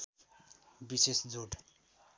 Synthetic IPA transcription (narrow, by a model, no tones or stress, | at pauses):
bisesd͡zoʈ